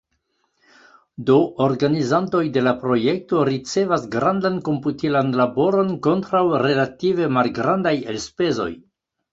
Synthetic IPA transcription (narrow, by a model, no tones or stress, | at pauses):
do̞ʔoɾɡanizanto̞jde̞lapɾo̞je̞k̚to̞ɾit͡se̞vasɡɾandanko̞mputilanlabo̞ɾo̞nko̞ntɾawɾe̞lativemalɡɾandajelspe̞zo̞̰j